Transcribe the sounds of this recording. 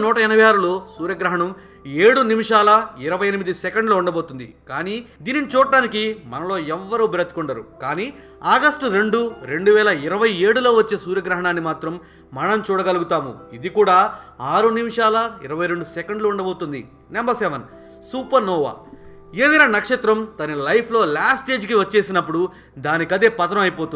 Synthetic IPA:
nɔːʈɐɛnɐbɐjaːɾuloːsuːɾjɐɡɾɐɦɐɳɐm | e̞ːɽunimiʂaːlɐiɾɐʋɐjɐnimid̪isɛkɐɳɖluːuɳɖɐbo̞ːt̪und̪ḭkaːniːd̪iːninit͡ʃuːɽɐɖaːnikimɐnɐlo̞ːɛʋːɐɾuːbiɾɐt̪ikuɳɖɐɾṵkaːniː | aːɡɐsʈuɾe̞ɳɖuɾe̞ɳɖuʋɛːlɐiɾɐʋɐje̞ːɽulo̞ːʋɐt͡ʃːeːsuːɾjɐɡɾɐɦɐɳaːnːimaːt̪ɾɐmː | ɐnɐmt͡ʃuːɽɐɡɐluɡut̪aːmṵid̪ikuːɽaːaːɾunimiʂaːlɐḭɾɐʋɐjɾe̞ɳɖusekɐɳɖluːɳɖɐboːt̪und̪ḭ | nɛmbɐsɛːʋɐn | suːpɐɾnɔːʋa̰ː | eːd̪iːnaːnɐkʂɐt̪ɾɐmt̪ɐnɐlɐjpʰlo̞ːlaːsʈe̞ːd͡ʒkiʋɐt͡ʃːe̞ːsinɐpːuɽu | d̪aːnikɐd̪eːpɐt̪ɐɾɐmɐjipo̞ːt̪u

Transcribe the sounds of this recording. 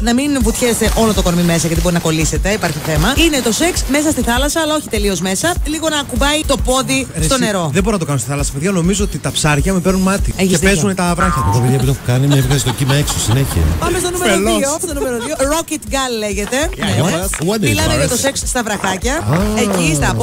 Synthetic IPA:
nɐminvut̪çest̪eʔo̞lot̪oko̞ɾmime̞sɐʝɐt̪ibo̞ɾinɐko̞lise̞t̪e̞ipɐɾçiθe̞mɐine̞t̪o̞seksme̞s̬ɐst̪iθɐlɐsɐːlɐo̞çi̥t̪e̞lio̞zme̞sɐliɣo̞nɐːkubɐit̪o̞po̞ðist̪o̞ne̞ɾo̞ðeboɾinɐt̪okɐnost̪iθɐlɐsɐ̥peðʝano̞mizoot̪it̪ɐpsɐɾʝɐmepeɾnunmɐt̪ieçiesezunet̪ɐvɾɐçɐt̪uopiðjiɐpit̪ɐpukɐnimɲɐpifesit̪ocimeeksosineçiɐ̰pɐmes̬t̪o̞numeelisost̪onumeɾoðioɾokit̪ɡɐlːeʝe̞t̪e̞ned̪milɐmeɐt̪o̞seksst̪ɐvɾɐxɐcɐecist̪ɐp

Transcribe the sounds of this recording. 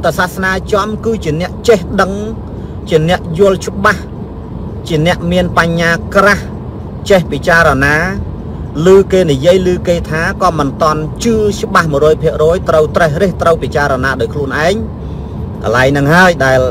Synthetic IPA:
t̪asasnaːt͡ɕɑmkɨːt͡ɕiənɛ̆əʔt͡ɕehɗəŋ | t͡ɕiənɛ̆əʔjʊəlt͡ɕə̆ɓah | t͡ɕiənɛ̆əʔmiənpaɲːaːkrah | t͡ɕehpit͡ɕaːɾanaː | lɨːkeːnijiəjlɨːkeːt̪ʰaːkɑːmɨnt̪ŏənt͡ɕɨːt͡ɕə̆ɓahmɨəɾɔːjpʰiəʔrɔːjt̪rəwt̪rəhreːht̪rəwpit͡ɕaːɾanaːɗaːjkʰluənʔaɛŋ | kɑ̰laɛjnɨŋɦaəjɗaɛl

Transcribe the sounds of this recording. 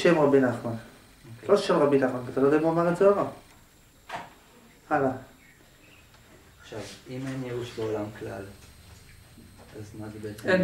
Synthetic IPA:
ʃemʁabinaχman | loʃemʁabinaχmankat̪alojd̪amoamaʁazoaʁa | ala | aχʃavimenjeuʃbeolamklal | azmazebeet͡se

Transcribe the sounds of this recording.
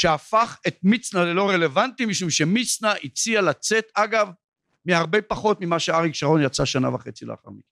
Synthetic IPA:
ʃeafaχe̞t̪̚mit͡snalelo̞ʁele̞vantimiʃumʃe̞mit͡snaʔit͡sialat͡se̞t̪aɡav | miaʁbejpaχo̞t̪mimaʃeaʁikʃaʁo̞njat͡saʃana̰vaχet͡silḛa̰χa̰ʁmik

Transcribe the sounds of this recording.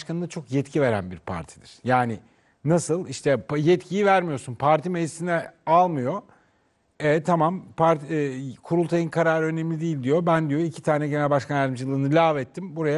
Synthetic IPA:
ʃkanɯnat͡ʃʰo̞kjɛt̪cʰive̞ɾænbiɾpʰa̰ɾt̪ʰid̪iɾ̥jaːnɪ | nasɯlˠiʃt̪ʰɛpjɛt̪cʰijivæɾmijo̞sunpʰaɾt̪ʰimelisinɛalˠmɯjo̞ | ɛt̪ʰamampʰaɾt̪ːkʰuɾulˠt̪ʰajɯnkʰaɾaːɾɯø̞nemlʲid̪ijilʲd̪ijo̞bænd̪ijo̞icʰi̥t̪ʰaːnɛɟe̞nælʲbaʃkʰanæɾd̪imd͡ʒilˠɯːnɯlʲaːvɛt̪ʰːimbuɾaja

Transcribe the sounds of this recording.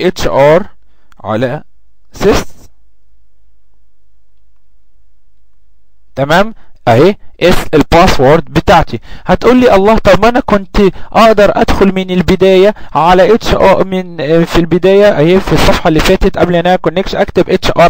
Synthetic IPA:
ʔet͡ʃʔɑɾˤ | ʕa̰læ | ses | t̪æmæːmʔæheːʔeselpɑːswoɾˤd̪bet̪aːʕt̪ihæt̪ʔuːlːiːʔɑlˤːɑːht̪ˤɑbmʔænækont̪ʔɑʔd̪ɑɾˤʔæ̰d̪xolmenelbed̪æːjæʕalæʔet̪ʃʔɑmenfilbed̪æːjæʔæheːfisˤːɑfħɑlːifæːt̪et̪ʔæblʔænːæhækonːekʃʔækt̪ebʔet͡ʃʔɑːɾˤ

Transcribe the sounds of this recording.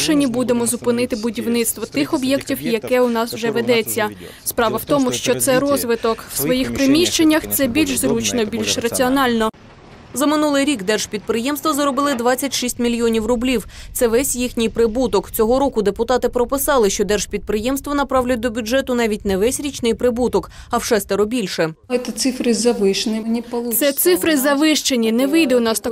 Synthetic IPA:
ʃenʲːibud̪emɔzʊpɪnɪt̪ɪbʊdʲiwnɪt̪st̪ʋɔt̪ɪxɔbjɛktʲiwjɐkɛʊnɑswʒɛʋed̪ɛt͡sʲːɐ | spɾɑʋɐwt̪ɔmʊʃt͡ʃɔt̪sɛɾɔzʋɪt̪ɔkw̥sʋɔjixpɾɪmʲiʃt͡ʃenʲːɐxt̪sɛbʲilʲʃzɾut͡ʃnɔbʲilʲʃrɐt͡sʲiɔnɑlʲnɔ | zɐmɪnulˠɪjɾʲikd̪ɛrʒ̥pʲid̪̚pɾɪjɛmst̪ʋɔzɐɾɔbɪlˠɪd̪ʋɑt͡sʲːɐtʲʃisʲtʲmʲilʲjɔnʲiwrʊblʲiwt̪sɛʋɛsʲjixnʲijpɾɪbut̪ɔkt͡sʲɔɦɔɾɔkʊd̪epʊt̪ɑt̪ɪpɾɔpɪsɑlˠɪʃt͡ʃɔd̪ɛrʒ̥pʲid̪̚pɾɪjɛmst̪ʋɔnɐpɾɑwlʲʊt̚ʲd̪ɔbʲʊd͡ʒɛt̪ʊnɑʋʲitʲnɛʋɛsʲɾʲit͡ʃnɪjpɾɪbut̪ɔk | ɐwʃɛst̪ɛɾɔbʲilʲʃɛjt̪ɛt̪sɪfɾɪzɐʋɪʃnʲinʲipɐlˠusɛt̪sɪfɾɪzɐʋɪʃt͡ʃenʲinɛʋɪjd̪ɛʊnɑst̪ɐ

